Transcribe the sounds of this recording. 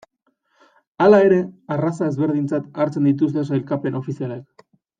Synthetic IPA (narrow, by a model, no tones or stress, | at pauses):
alae̞ɾe̞arasaezβe̞ɾðint͡sat̪aɾt͡se̞nd̪it̪ust̪e̞sajlkape̞no̞fisialek